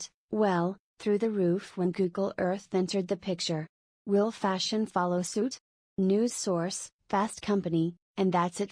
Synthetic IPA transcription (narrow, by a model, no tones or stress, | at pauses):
wɛlˠ | θɹʉðɨɹʉfwə̃nɡuɡl̩ˠɜ˞θɛ̃ntə˞d̪̚ðɨpʰɪk̚t͡ʃə˞ | wɪlˠfæʃɨ̃nfɑlˠoʊsʉt | nʉz̥sɔɹsfæstkʰʌ̃mpɨni | ɨ̃nðætsɨt